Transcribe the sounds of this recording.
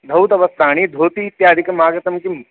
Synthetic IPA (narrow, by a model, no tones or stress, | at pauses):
d̪ʱɐwt̪ɐʋɐst̪aːɽ̃iːd̪ʱoːt̪iːt̪jaːd̪ʱikɐmaːɡɐt̪ɐmkim